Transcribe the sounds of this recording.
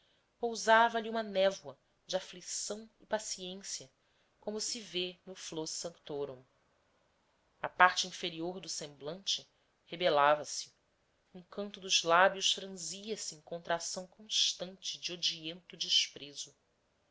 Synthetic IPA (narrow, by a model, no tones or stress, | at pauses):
powzavɐʎiũmɐnɛvwɐ | d͡ʒɪaflisɐ̃w̃ɪpasiẽsiɐ | kõmʊsɪvenʊflosɐ̃kt̪oɾõm | ɐpaɾt͡ʃɪĩfeɾioɾd̪ʊsẽmblɐ̃nt͡ʃɪ | hebelavɐsɪ̥ | ũkɐ̃nt̪ʊd̪ʊzlabjʊʃfɾɐ̃ziɐsiẽjŋkõnt̪ɾasɐ̃w̃kõʃt̪ɐ̃nt͡ʃɪd͡ʒɪod͡ʒiẽnt̪ʊd͡ʒɪʃpɾezʊ